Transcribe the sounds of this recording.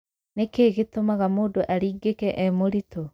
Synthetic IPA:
nekeɣetomaɣamoːdoʔaɾiːɡekɛʔɛmoɾito

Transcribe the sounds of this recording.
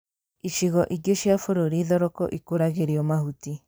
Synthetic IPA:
iʃiɣɔʔiɡoʃiafoɾoɾiːðɔɾɔkɔ̰ʔikoɾaɣeɾiɔmahuti

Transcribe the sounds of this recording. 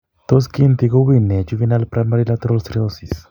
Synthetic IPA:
t̪os̬kint̪iɡoβinet͡ʃuvinalpɾʔamaɾilat̪ɾolst̪ɾiosis

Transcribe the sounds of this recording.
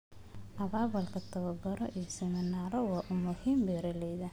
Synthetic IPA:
ʔɐβaːβɐlkʰɐt̪ʰɐβɐɡɔɾɔʔijɔsɛmɪnaːɾɔwɑːʔʊmʊhiːmbɛːɾɐlɛjðɐ

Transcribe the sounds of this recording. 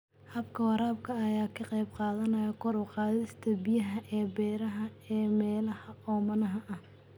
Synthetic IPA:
hɐbkʰɐwɑɾaːbkʰɐːjaːkʰɐqɑjbqɑːðɐnɐjɐkʰɔɾʊːqɑːðɪst̪ʰɐbɪjɐɦɐʔɛːbɛːɾɐɦɐɛːmɛːlɐhɐɔːmɐnɐɦɐʔɐh

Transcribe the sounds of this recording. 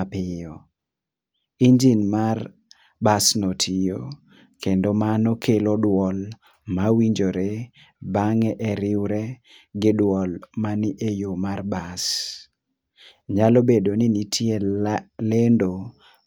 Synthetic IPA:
pɪjɔ | iɲd͡ʒinmar | basnotʰijo | kendomanɔkʰelodwɔl | mawiɲd͡ʒoɾe | baŋɛʔɛɾɪwɾɛ | ɡɪdwɔlmaniʔejomarbas | ɲalobedonɪnitʰjelendo

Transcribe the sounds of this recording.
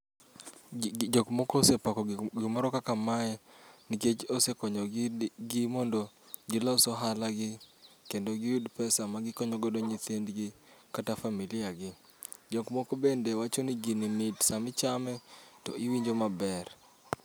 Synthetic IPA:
d͡ʒɔkmɔkɔːsepakɔɡɪmɔɾɔkakamaɛniket͡ʃosekɔɲɔɡɪmɔndo | ɡɪlɔsɔɦalaɡɪkendoɡɪjudpɛsamaɡɪkɔɲɔɡɔdoɲit̪endɡɪ | katafamilɪaɡɪ | d͡ʒɔkmɔkobendewat͡ʃoniɡinimitsamɪt͡ʃamɛtɔʔɪwiɲd͡ʒomabɛr

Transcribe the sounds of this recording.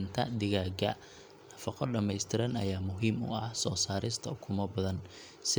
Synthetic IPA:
nt̪ʰɐ̰d̪ɪɣaːɡɐ̰ | nɐfɑqɔɖɐmɛjst̪ʰɪɾɐnɐjaːmʊɦiːmʊ̰ɐhsɔːsaːɾɪst̪ʰɐkʰʊmɐbɐðɐn | sɪ

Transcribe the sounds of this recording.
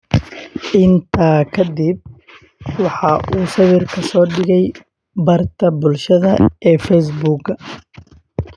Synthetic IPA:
ʔɪnt̪ʰaːkʰɐd̪ɪb̚ | wɑħɑʔuːsɐβɪrkʰɐsɔːɖɪɣɛj | bɐrt̪ʰɐbʊlʃɐðɐɛːfɛjs̬buːɡɐ

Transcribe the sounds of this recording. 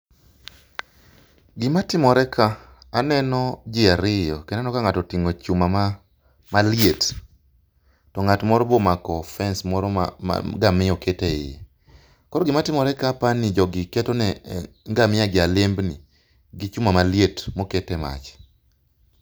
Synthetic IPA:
ɡɪmatɪmɔɾɛkʰaː | nɛnɔd͡ʒɪaɾɪjɔkɛnɛnɔkaŋatɔtiŋot͡ʃumam | maljet | tɔŋatmɔɾɔbɔmakɔfɛnsmɔɾɔ̰ɡamɪjɔketeɪ̰ | kɔɾɔɡɪmatɪmɔɾɛkapanɪd͡ʒɔɡɪkɛtɔnɛ | ŋɡamɪaɡɪalɪmbnɪ | ɡɪt͡ʃumamaljetmoketɛma̰t͡ʃ

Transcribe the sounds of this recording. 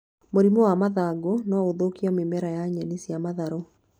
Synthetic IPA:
moɾimɔwamaðaɡonɔoðokiɔmemɛɾajaɲɛnisjamaðaɾo

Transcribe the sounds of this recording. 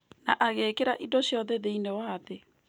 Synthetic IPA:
naʔaɣeːkeɾaʔidoɕjɔðɛðeinewaːðe

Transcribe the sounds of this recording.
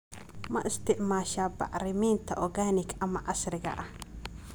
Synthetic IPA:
mɐʔɪst̪ʰɪʕmaːʃaːbɑ̰ʕɾɪmiːnt̪ʰɐʔɔɣaːnɪkɐmɐʕɑsrɪɣɐ̰ʔɐh

